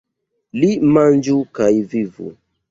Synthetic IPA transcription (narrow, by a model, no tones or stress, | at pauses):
limãnd͡ʒukajvivṵ